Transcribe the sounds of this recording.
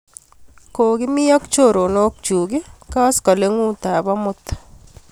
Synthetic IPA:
ko˨kɪ˦mɪ˦jɔ˦kt͡ʃo˦˨ɾo˨no˦k̚t͡ʃu˨ɡɪ˦kɔ˦skɔ˨le˦ŋu˦t̪a˨bɔ˦mʊ˦t̪

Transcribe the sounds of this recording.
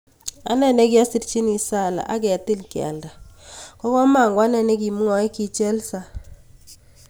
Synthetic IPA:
a̰˨˦nɛ˨nɛ˦kja˦si˦tt͡ʃi˦ni˨sa˦˨la̰˨ʔa˦k̬ɛ˨tɪ˦lkja̰˨lda˨kɔ˦kɔ˦ma˨ŋɡwa˦nɛ˨nɛ˦k̬i˨mu˦ŋɔ˨ɛ˦ki˦t͡ʃɛ˦lsa˨

